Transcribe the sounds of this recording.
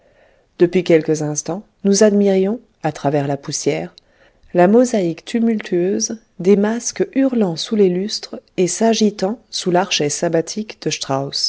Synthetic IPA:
d̪̥əpɥikʲɛlkəzɛ̃st̪ɑ̃ | nuzad̪miʁjɔ̃ | at̪χavɛʁlapusjɛːʁ | lamɔzaikt̪ymylt̪ʰyøz | d̪emaskyʁlɑ̃sulelyst̪χesaʒit̪ɑ̃sulaʁʃɛsabat̪ʰikd̪̥əʃt̪χaws

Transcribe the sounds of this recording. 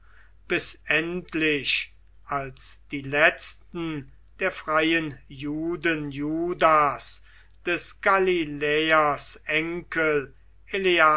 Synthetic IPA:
b̥ɪsʔɛntʰlɪʃ | ʔalsd̥iːlɛt͡stn̩ | d̥eːɐfʁ̥aɪənjuːdənjuːdas | d̥ɛsɡ̥alilɛːɐsʔɛŋkʰəl | elea

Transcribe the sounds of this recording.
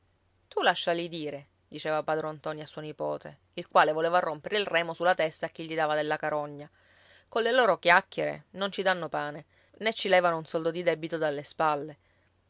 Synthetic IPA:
t̪ulaʃːalid̪iːɾe | d̪it͡ʃɛːvapad̪ɾont̪ɔniasːuonipɔ̰ːt̪e | ilkwaːlevoleːvarːompeɾeilrɛːmosulːat̪ɛst̪aːk̟ːiʎːid̪aːvad̪elːakaɾɔɲːa | kolːeloːɾokjakːjeɾḛnont͡ʃid̪anːopaːne | net͡ʃːilɛːvanounsɔld̪od̪id̪ɛbit̪od̪alːespalːe

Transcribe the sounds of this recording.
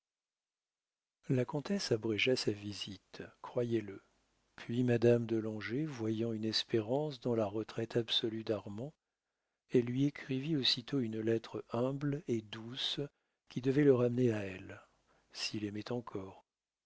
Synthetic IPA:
lakɔ̃t̪ɛsabʁɛʒasavizit̪kχwajɛlə | pʰɥimad̪amd̪əlɑ̃ʒevwajɑ̃ynɛspeʁɑ̃sd̪ɑ̃laʁət̪χɛt̪ʰabsɔlyd̪aʁmɑ̃ | ɛlːɥiekχiviosit̪oynlɛt̪χəɛ̃bled̪us | kʲid̪əvɛləʁamneaɛl | silemɛt̪ɑ̃kʰɔːʁ

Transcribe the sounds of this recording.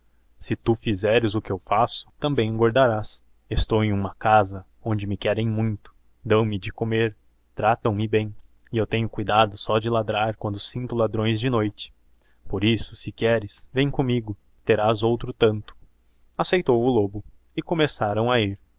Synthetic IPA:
sɪt̪ufizɛɾɪzʊkɪewfasʊ̥t̪ɐ̃mbẽj̃ɡwaɾd̪aɾas | est̪owẽj̃ũmɐkazɐ | õnd͡ʒɪmɪkɛɾẽj̃mũj̃t̪ʊ̥ | d̪ɐ̃w̃mɪd͡ʒɪkomeɾ | t̪ɾat̪ɐ̃w̃mɪbẽj̃ | ɪewt̪ẽɲʊkujd̪ad̪ʊsɔd͡ʒɪlad̪ɾaɾkwɐ̃nd̪ʊsĩnt̪ʊlad̪ɾõj̃zd͡ʒɪnojt͡ʃɪ̥ | poɾisʊ̥sɪkɛɾɪsvẽj̃kõmiɡʊ | t̪eɾazowt̪ɾʊt̪ɐ̃nt̪ʊ̥ | asejt̪owʊlobʊ | ɪkõmesaɾɐ̃w̃aiɾ

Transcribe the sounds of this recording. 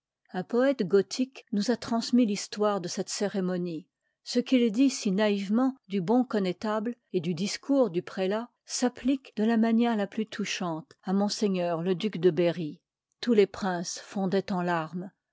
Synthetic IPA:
ɛ̃pɔɛt̪ɡɔt̪ʰiknuzat̪χɑ̃smilist̪waʁd̪əsɛt̪seʁemɔni | səkild̪isinaivmɑ̃d̪ybɔ̃kɔnɛt̪abled̪yd̪iskuʁd̪ypχela | saplikd̪əlamanjɛʁlaplyt̪ʰuʃɑ̃t̪amɔ̃seɲœːʁləd̪ykd̪əbeʁi | t̪ulepχɛ̃sfɔ̃d̪ɛt̪ɑ̃laʁm

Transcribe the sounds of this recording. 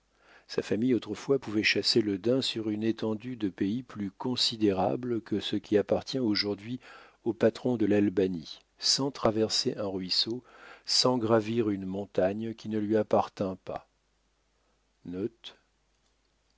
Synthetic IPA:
safamijot̪χəfwapuvɛʃaseləd̪ɛ̃syʁynet̪ɑ̃d̪yd̪əpeiplykɔ̃sid̪eʁa̰bləkəsəkʲiapaʁt̪jɛ̃oʒuʁd̪ɥi | opat̪χɔ̃d̪əlalbani | sɑ̃t̪χavɛʁseʔɛ̃ʁɥisosɑ̃ɡʁaviʁynmɔ̃t̪aɲkʲinəlɥiapaʁt̪ɛ̃pa̰ | nɔt̪

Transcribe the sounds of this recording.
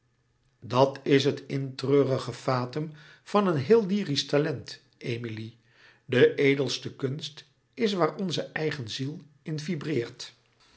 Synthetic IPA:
dɑtɪs̬ɦətɪntrøːrəχəfaːtəm | v̥ɑnənɦɪːlˠdiːristalɛnt | ʔejmili | dəʔejdəlˠstəkɵnst | ɪs̬ʋaːɹɔnzəʔɛjχənzilˠ | ɪnvibrɪːɹt

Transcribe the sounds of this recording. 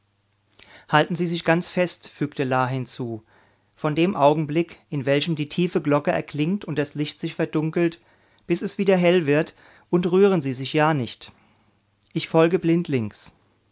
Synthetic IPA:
haltn̩ziːzɪçɡ̥ant͡sfɛstfyːktəlaːɦɪnt͡suː | fɔndeːmʔaʊɡŋ̩blɪkʔɪnvɛlçəmdiːtʰiːfəɡlɔkəɛ̰ɐkʰlɪŋtʰʊnt̚d̥aslɪçtz̥ɪçfɛɐdʊŋkl̩t | b̥ɪsɛsv̥iːdɐɦɛlvɪɐt | ʔʊntʁyːʁ̞ənziːzɪçjaːnɪçt | ʔɪçfɔlɡəblɪntʰlɪŋks

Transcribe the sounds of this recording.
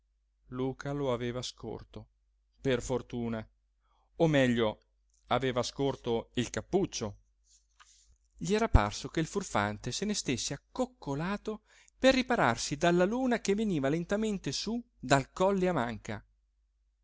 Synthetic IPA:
luːkʰaloaveːvasko̰rt̪o | perfort̪uːna | omːɛʎːo | aveːvaskort̪oilkapːut͡ʃːo | ʎiɛːɾapa̰rsokeilfurfa̰nt̪esenest̪esːeakːokːolaːt̪o | perːipaɾa̰rsid̪alːaluːnak̟evːeniːvalent̪ament̪esu | d̪alkɔlːeamaŋka

